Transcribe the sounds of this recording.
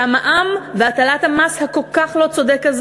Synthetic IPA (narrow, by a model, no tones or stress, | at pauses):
amaʔamveatalathamashako̞lkaχlo̞t͡sod̪ekaz